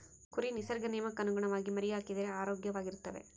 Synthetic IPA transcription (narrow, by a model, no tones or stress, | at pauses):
kʊɾinɪsɐɾɡɐneːmɐkːɐnɯɡɐɳɐʋaːɣimɐɾɪjaːkɪðɪɾeaːɾoːɡjɐʋaːɣɪɾɯt̪ːɐʋḛː